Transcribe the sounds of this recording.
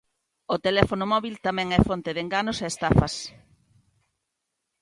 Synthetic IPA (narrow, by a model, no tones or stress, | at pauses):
ot̪elɛfonʊmɔβilt̪amɛ̃ŋɛfont̪eðeŋɡanʊseːst̪afɐs